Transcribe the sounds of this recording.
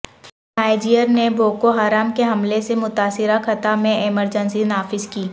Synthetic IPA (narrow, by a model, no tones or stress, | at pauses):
ɦaːɪd͡ʒijəɾnebʱoːkoɦaːɾaːmkeɦɐmlesemʊt̪aːsɪɾakɐt̪amẽʔɛməɾd͡ʒənsinaːfɪzkiː